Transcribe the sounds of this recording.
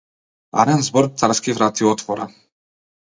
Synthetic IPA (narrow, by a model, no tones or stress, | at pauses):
a̰ɾɛnzbɔɾ̚t̪saɾskivɾat̪iɔt̪fɔɾa̰